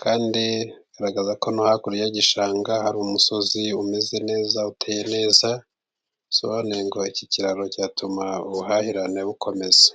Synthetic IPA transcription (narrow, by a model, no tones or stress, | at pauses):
kʰaːndiɡ̥aɾaɡazako̞nohakuɾijaɟiʃaːŋɡahaɾumuso̞ziumeze̞ne̞ːzautʰeːje̞ne̞ːza | soβoneŋɡo̞iciciɾaɾo̞caːtumauβuɦahiɾane̞βukʰo̞me̞ze̥